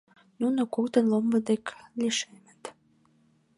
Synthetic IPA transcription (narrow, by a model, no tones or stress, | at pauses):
nunokokt̪ənlombəd̪ekliʃemə̥̆t̪